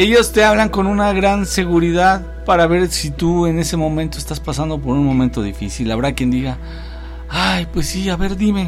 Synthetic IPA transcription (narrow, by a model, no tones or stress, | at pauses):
e̞ʝo̞st̪e̞aβlaŋko̞nunaɣɾanse̞ɣuɾiðað | paɾaβe̞ɾsit̪ue̞ne̞se̞mõ̞mẽnt̪oest̪aspasand̪o̞p̬o̞ɾunmõ̞mẽnt̪o̞ðḭfisilːaβɾakjend̪iɣa | ajpwe̞sːiaβe̞ɾðime̞